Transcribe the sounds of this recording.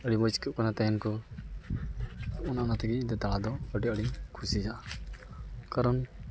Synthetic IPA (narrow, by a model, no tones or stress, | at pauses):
əɽimɔskəʔ̚kanat̪ɛjɛnkɔ | ɔnaʔnat̪ɛɡid̪ɛt̪aɭad̪ɔəɖiəɽikʰusid͡ʒaʔa | kaɾɔn